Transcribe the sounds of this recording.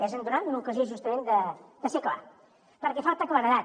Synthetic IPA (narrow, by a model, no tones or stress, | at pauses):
ɛzənd̪unat̪unukəzioʒust̪əmẽnd̪əd̪̥əsekla̰ | pəɾkɛfalˠt̪əklaɾəða